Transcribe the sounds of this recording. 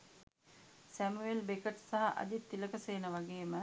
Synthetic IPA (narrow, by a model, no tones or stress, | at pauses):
sæmuelbekəʈsaɦɐʔɐ̰d̪it̪ːiləkəseːnəʋaɡeːmə